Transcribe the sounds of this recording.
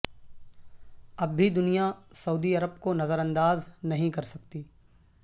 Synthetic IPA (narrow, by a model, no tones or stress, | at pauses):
ɐbʱːid̪ʊnijasɐuːd̪iɐɾəbkonɐzəɾə̃nd̪aːznɐɦĩkɐɾsɐk̚t̪iː